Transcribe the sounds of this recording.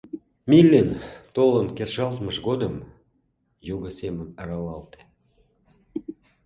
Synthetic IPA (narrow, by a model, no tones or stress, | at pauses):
milːent̪olənkerʒɑlt̪məʃɣod̪əm | juɣəsemənəɾɑlɑlt̪e̥